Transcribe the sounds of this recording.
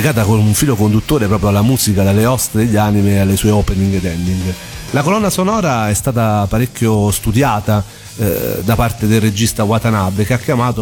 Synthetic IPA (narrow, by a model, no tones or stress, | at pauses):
ikaːt̪̬akonuɱfiːlokond̪ut̪ːoːɾepɾɔːpɾjoalːamuːzikad̪alːeɔst̪ed̪eʎːaːnimealːesuːeopɛniŋɡd̪ɛnd̪iŋɡ | lakolɔnːasonɔːɾaɛst̪aːt̪apaɾekʲːjost̪ud̪jaːt̪a̰ | d̪apart̪ed̪elːed͡ʒist̪awat̪anabːekeakːjamaːt̪o